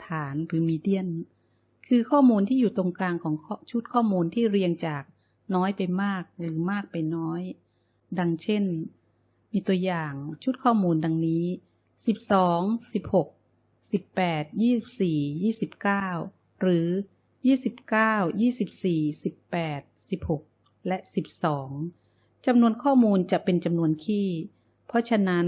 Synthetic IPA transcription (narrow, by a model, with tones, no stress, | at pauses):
t̪ʰaː˩˦nɾɯː˩˦miː˧di˥˩ən | kʰɯː˧kʰɔː˥˩muː˧nt̪ʰiː˥˩juː˨˩t̪o˧ŋklaː˧ŋkʰɔː˩˦ŋt͡ɕʰu˦˥t̪̚kʰɔː˥˩muː˧nt̪ʰiː˥˩ɾi˧əŋt͡ɕaː˨˩k̚ | nɔː˦˥jpa˧jmaː˥˩k̚ɾɯː˩˦maː˥˩k̚pa˧jnɔː˦˥j | da˧ŋt͡ɕʰe˥˩n | miː˧t̪u˧əjaː˨˩ŋt͡ɕʰu˦˥t̪̚kʰɔː˥˩muː˧nda˧ŋniː˦˥ | si˨˩p̚sɔː˩˦ŋsi˨˩p̚ho˨˩k̚ | si˨˩pːɛː˨˩t̪̚jiː˥˩si˨˩p̚siː˨˩jiː˥˩si˨˩p̚kaː˥˩w | ɾɯː˩˦ | jiː˥˩si˨˩p̚kaː˥˩wjiː˥˩si˨˩p̚siː˨˩si˨˩pːɛː˨˩t̪̚si˨˩p̚ho˨˩k̚ | lɛ˦˥ʔsi˨˩p̚sɔː˩˦ŋ | t͡ɕa˧mnu˧ənkʰɔː˥˩muː˧nt͡ɕa˨˩ʔpe˧nt͡ɕa˧mnu˧ənkʰiː˥˩ | pʰɔ˦˥t͡ɕʰa˧na˦˥n